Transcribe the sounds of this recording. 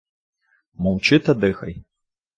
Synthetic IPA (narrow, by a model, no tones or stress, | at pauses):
mɔwt͡ʃɨt̪ɐd̪ɨxɐ̰j